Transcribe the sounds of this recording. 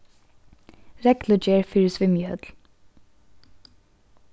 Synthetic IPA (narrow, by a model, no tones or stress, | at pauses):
ɾɛkləd͡ʒeːɹfʏɹsʋɪmjəœt̪l